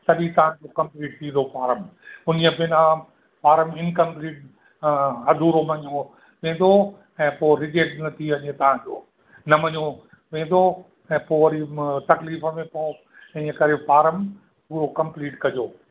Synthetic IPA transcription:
sɐʄĩt̪ɐʋ̤ãd͡ʑokɐ̃mpliːʈt̪ʰĩːnd̪ʱopaːɾəmʊniəbɪnã | paːɾəmɪnkɐ̃mpliːʈ̚ | ɐd̪ʱuːɾomɐɲõ | ʋẽːnd̪ʱo | ɛ̃ːpoːɾɪd͡ʑeːʈnɐt̪ʰiɐɲẽt̪ɐʋ̤ãd͡ʑo̰ː | nɐmɐɲõ | ʋẽːn̆d̪ʱo | ɛ̃ːpoːʋɐɾit̪ɐkliːfəmẽpo | ɪ̃ɲəkɐɾepaːɾəm | puːɾokɐ̃mpliːʈkɐd͡ʑoː

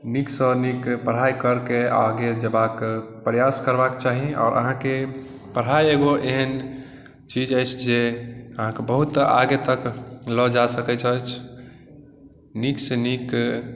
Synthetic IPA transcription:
niksə̃nikpəɽ̤ɦajkəɾkeaɡed͡ʒəbakpɾjaskəɾbaket͡ʃaɦiɔ̰ːɾʔə̰ɦãke | pəɽ̤ɦajeɡoʔeɦən | t͡ʃid͡ʒəjt͡ʃʰd͡ʒeəɦãkebəɦut̪a̰ɡet̪əklɔd͡ʒasəkɛt͡ʃʰət͡ʃʰ | niksenik

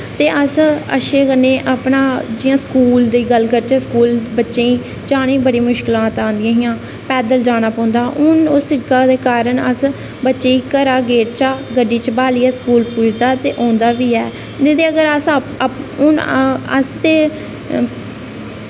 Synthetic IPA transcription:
t̪eːʔəsə̰ʃeːkənːeːʔapɳaːd͡ʒɪjãːskuːld̪iːɡəlɡət͡ʃaskuːlbətːʃẽːĩː | d͡ʒaːɽ̃ẽːbəɽiːmʊʃkɪlãːt̪ãːnd̪ɪjãːɦɪjãː | pɛːd̪əld͡ʒaːɽ̃aːpãːnd̪aːʔʊnʊsːɪkaːd̪eːkaːɾəɳəs | bətːʃeːiːkəɾaːɡeːʈt͡ʃaːɡəɖːiːt͡ʃbaːliːɛːskuːlpuːd͡ʒd̪aːt̪eːʔɔ̃ːnd̪aːʋiːɛː | d͡ʒed̪eːəɡəɾəs | ʊnə̰st̪eː

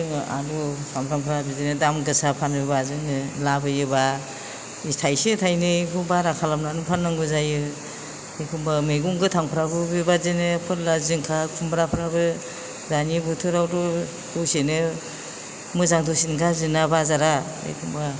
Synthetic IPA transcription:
ɯŋa̰ɾusampʰɾampʰɾabizinɯdamɡɯsapʰanbebazɯŋɯlabɯjɯba | istʰajsetʰajnɯikʰubaɾakʰalamnanɯpʰanːaŋɡɯzajɯ | ejkʰumbameɡuŋɡɯtʰaŋpʰɾabɯbebazenɯpʰɯɾlazɯŋkʰakʰumbɾapʰɾabɯ | danibutʰɯɾawdu | duwsenɯ | mɯzaŋtusinɡazɯnabazaɾa | ḛjkʰumba

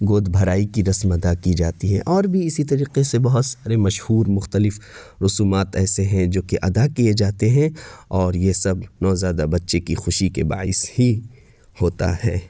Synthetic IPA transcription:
ɡoːd̪ʱbʱɐɾaːikiɾɐsmɐd̪akid͡ʒaːt̪iɦɛ̃ʔɔːɾbʱiɪsit̪ɐɾiːqesebɐɦʊt̪saːɾemɐʃhuːɾmʊxt̪əlɪf | ɾʊsuːmaːt̪ɛːseɦɛ̃d͡ʒoːkeʔɐd̪akied͡ʒaːt̪eɦɛ̃ɔːɾjesɐbnɔːzjaːd̪abɐtːʃekixʊʃikeba̰ːɪshi | hoːt̪a̰hɛ̰ː

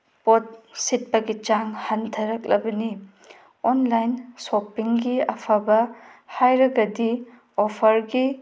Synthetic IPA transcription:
pot̚sit̚pɐɡit͡ʃaŋhantʰɐɾɐk̚lɐbɐni | onlajnsopiŋɡiɐpʰabɐhajɾɐɡɐdi | opʰɐɾɡi

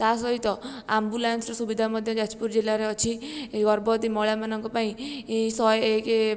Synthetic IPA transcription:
t̪as̬ɔɦit̪ɔambulansɾɔsubid̪ʱamɔd̪ʱjɔd͡ʒat͡ʃpuɾd͡ʒilaɾeɔt͡ʃʰiɡɔɾbɔt̪imɔɭjamanɔŋkɔpaĩsɔjeke

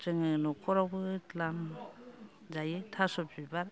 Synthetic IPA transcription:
t͡ʃɯŋɯnɔkʰɔɾabɯtlam | zajɯtʰasɔbzibaɾ

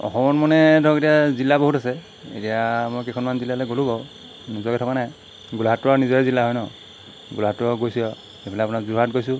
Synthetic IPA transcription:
ɔ̰xɔmɔnmɔnɛdʱɔketijazilːaboɦutasɛ | ḛtijamojkekʰɔnmanzilalɔɡolubɔ | nuzɔkɛtʰɔkanaj | ɡulɦatːʊaɹnizɔɛzilːaɦɔjnɔ | ɡulɦatːuɔɡojsijɔ | xepʰilɛap̬unakzuɦatɡojsʊ

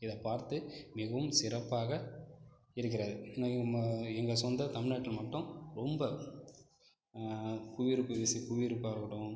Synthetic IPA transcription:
ɪðɐpaːɾt̪ɯmɪɣɐʋɯmsɪɾɐpːaːɣɐ | ɪɾɯk̬ːɪɾɐðɯ | ɛŋɡɐsɔnd̪ɐt̪ɐmɪnaːʈːɪlmɐʈːʊ̃ɾɔmbɐ | kʊʋɪɾɯpːɯʋɪsikʊʋɪɾɯpːaːɾkɐɽʊ̃

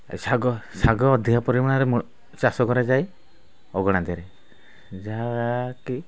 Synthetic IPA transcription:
saɡɔsaɡɔːd̪ʱiapɔɾimaɽ̃aɾɛmɔ | t͡ʃasɔɡɔɾad͡ʒaj | ɔɡɔɽ̃ad̪ɛɾe | d͡ʒaɾaki

